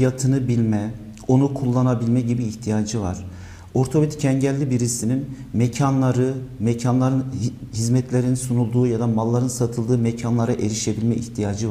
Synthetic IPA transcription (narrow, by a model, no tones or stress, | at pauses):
ijat̪ʰɯnɯbilʲmɛ | o̞nukʰulˠːanabilʲmɛɟibiːht̪ʰijad͡ʒɯva̰ɾ̥ | o̞ɾt̪ʰo̞βit̪cʰɛɲɟɛlʲːibiɾisinin | mɛcʰanlˠaɾɯmɛcʰanlˠaɾɯnhizmɛt̪ʰlʲeɾininsunulˠd̪uːjad̪amalˠːaɾɯnsat̪ʰɯlˠd̪ɯːmecʰanlˠaɾaʔe̞ɾiʃe̞bilʲmɛʔiht̪ʰijad͡ʒɯ